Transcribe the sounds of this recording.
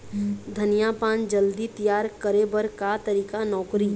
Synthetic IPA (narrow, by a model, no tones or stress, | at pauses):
d̪ʱənijaːpaːnd͡ʒəld̪it̪ijaːɾkəɾebəɾkat̪ɐɾiːkanɔːkɾi